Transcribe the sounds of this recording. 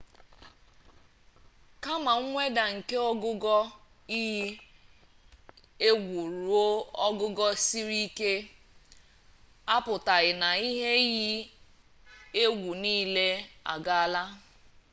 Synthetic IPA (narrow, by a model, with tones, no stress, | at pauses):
ka˦ma˨ŋ̩˦ŋʷe˦da˨ŋ̩˨ke˦ɔ˦ɡʊ˦ɡɔ˦ | i˦ɦi˦ | e˦ɡʷu˨ɾu˨o˦ɔ˦ɡʊ˦ɡɔ˦si˦ɾi˦ke˦ | a˦pʊ˨ta˨ɣɪ˨na˨i˦ɦe˦ɣi˦ | e˦ɡʷu˨niː˦le˦a̰˨ɡa˦˨la˦